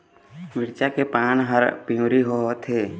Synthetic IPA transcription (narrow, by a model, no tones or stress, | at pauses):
mɪɾt͡ʃakepaːnɦəɾpĩũɾiɦot̪ʰeː